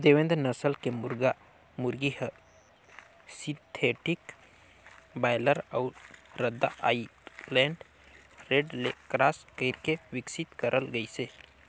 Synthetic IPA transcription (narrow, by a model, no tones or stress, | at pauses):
d̪eʋẽnd̪nəsəlkemʊɾɡa | muɾɡihə | sĩnt̪ʰeʈik | bajləɾəʊɾɾəd̪ːa̰ʔa̰lɛ̃ɳɖ | ɾeɖlekɾaːskəp̚kewɪksit̪kəɾʔəlɡəise